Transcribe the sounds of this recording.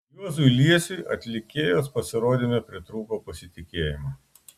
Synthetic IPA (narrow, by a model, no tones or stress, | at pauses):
jʲuɔzuɪlʲiɛsʲuɪɐt̪ʲlʲɪkʲeːjoːspɐsʲɪɾoːd̪ʲɪnʲepʲɾʲɪt̪ɾuːpoːpɐsʲɪt̪ʲɪkʲeːjɪmoː